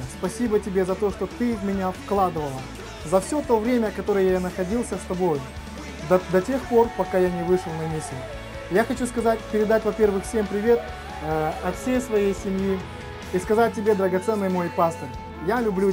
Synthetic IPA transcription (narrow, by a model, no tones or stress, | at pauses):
spɐsʲibətʲɪbʲe̞zɐt̪o̞ʂt̪ot̪ɨvmʲɪnʲafklˠad̪ɨvəlˠə | zɐfsʲot̪o̞vɾʲemʲəkɐt̪o̞ɾəjəjjanəxɐdʲilˠsʲəst̪ɐbo̞j̪ | d̪ɐtʲe̞xpo̞rpɐkajanʲɪvɨʂɨlˠnɐmʲɪsʲɪ | jaxɐt͡ɕuskɐzat̚ʲpʲɪɾʲɪd̪atʲvɐpʲe̞rvɨxfsʲempɾʲɪvʲe̞t̪ | ɐfsʲejsvɐjejsʲɪmji | iskɐzat̚ʲtʲːɪbʲe̞d̪əɾəɡɐt̪sɛnːɨjmo̞jpast̪ərʲ | jalʲʊblʲu